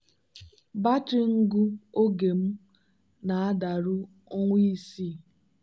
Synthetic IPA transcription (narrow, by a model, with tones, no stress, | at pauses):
ba˦t͡ʃɪ˦ŋ̩˦ɡu˦o˦ɡe˨m̩˦ | na˨a˦da˨ɾʊ˦ | o˦ŋʷi˦i˦si˦˨